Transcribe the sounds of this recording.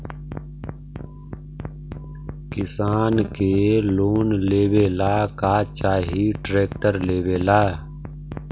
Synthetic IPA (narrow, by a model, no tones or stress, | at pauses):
kɪsaːnkeːloːnleːweːlaːkaːt͡ʃaːɦiːʈɾeːkʈəɾleːweːlaː